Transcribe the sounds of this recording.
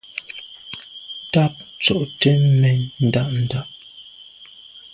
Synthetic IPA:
ta˦p̚t͡so˨ʔte˦mɛ˨n̩˨da˦ʔn̩˨da˦˨ʔ

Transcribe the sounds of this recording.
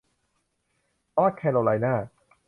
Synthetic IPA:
ɔː˦˥˩kʰːɛ˧no˧la˧jnaː˥˩

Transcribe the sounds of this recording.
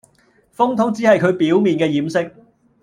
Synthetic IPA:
fʊ˥ŋt̪ʰʊ˥ŋt͡siː˨˥hɐ˨jkʰɵ˨˧ɥpiː˨˥wmiː˨nkɛː˧jiː˨˥msɪ˥k̚

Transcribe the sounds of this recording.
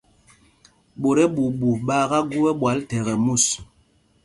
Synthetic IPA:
ɓo˨ɾɛ˦ɓu˨ɓu˨ɓaː˦ɣa˦ɡu˦wɛ˦ɓwa˨˦ltɛ˨ɣɛ˨mu˦˨s

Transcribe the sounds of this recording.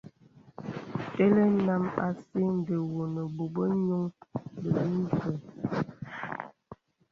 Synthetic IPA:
te˦le˦na˦ma˨si˦n˦də˨wo˨nə˨bo˨bə˦ɲo˦ŋbə˨bi˦n˦kɛ˨

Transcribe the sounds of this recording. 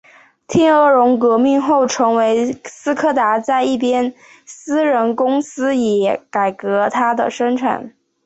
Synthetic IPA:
t̪ʰi˥nɤ˥˩ɻʊ˧˥ŋkɤ˧˥mi˥˧ŋxo˥˩ʊʈ͡ʂʰɤ˧˥ŋwe˧˥ɪsɹ̩˥kʰɤ˥˩t̪a˧˥t͡sa˥˧ɪi˥˩pjɛ˥n | sɹ̩˥ɻə˧˥nkʊ˥ŋsɹ̩˥jɛ˨˩ka˨˩ɪkɤ˧˥t̪ʰa˥d̪ə̰˨ʂə˥ŋʈ͡ʂʰa̰˨˩˦n

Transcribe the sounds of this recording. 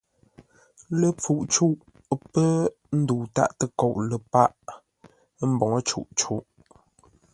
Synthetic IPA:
lə˨p͡fu˨ʔt͡ʃu˦˨ʔ | pə˦ | n̩˦du˨ta̰˦ʔtə˦ko˦˨ʔlə˨pa˦ʔ | m̩˦bɔ˨ŋə˦t͡ʃṵ˦˨ʔt͡ʃu˦ʔ

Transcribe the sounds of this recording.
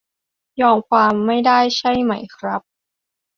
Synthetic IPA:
jɔː˧ŋkʰwaː˧mːa˥˩jdaː˥˩jt͡ɕʰa˥˩jma˦˥jkʰɾa˦˥p̚

